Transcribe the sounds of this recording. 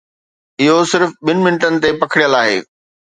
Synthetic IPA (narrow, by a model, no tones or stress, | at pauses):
ɪɦosɪɾfɓɪnɪ̆mɪnəʈənɪ̆t̪epɐkʰɪɽijəlaːɦḛː